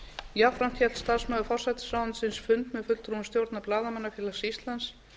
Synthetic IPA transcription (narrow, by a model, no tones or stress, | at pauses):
jafɾam̥t̪çɛ̥t̪st̪asmœːɣʏfɔr̥sɛt̪ɪ̥saːwansɪnsfʏnt̪mɛðfʏt̪l̥t̪ɾumst̪jowɾt̪naplaːðamanːafjɪɾlasist̪lans